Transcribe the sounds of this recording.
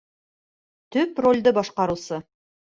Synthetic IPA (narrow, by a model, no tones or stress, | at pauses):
t̪ɵpro̞lʲd̪ɤbɒʃqɑɾusɤ